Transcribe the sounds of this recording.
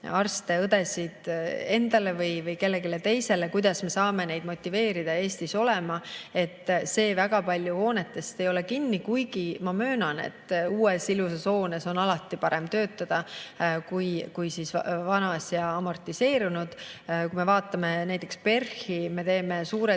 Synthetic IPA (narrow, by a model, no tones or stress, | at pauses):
ɑrst̪e̞ɤd̪e̞sid̪̥e̞nd̪̥ɑle̞vɯjvɯjke̞lːe̞ɡile̞t̪e̞jse̞lekujd̪̥ɑsme̞sɑːme̞ne̞jd̪mo̞t̪ʲːˑive̞ːɾid̪̥ɑe̞ːst̪iso̞le̞mɑe̞t̪ːse̞ːvæɡ̥ɑpɑlʲjuo̞ːne̞t̪ːˑe̞st̪e̞jo̞le̞kinːikujɡ̥imɑmø̞ːnɑne̞̰t̪ːuːe̞siluseso̞ːneso̞nɑlɑt̪ːˑipɑɾemt̪ø̞ːt̪ːɑd̪̥ɑkujkujsisvɑnɑsjɑːmo̞rt̪ːˑise̞ːɾunud̪̥kume̞vɑːt̪ːˑɑme̞næjt̪ːˑe̞kspe̞rhime̞t̪e̞ːme̞suːɾe